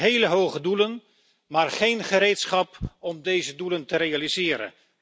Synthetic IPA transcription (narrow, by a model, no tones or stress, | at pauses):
ɦejləɦowχədulən | maːɹχejnχəɾejtsχɑpɔmdejzəduləntəɾejalizɪːɾə̰n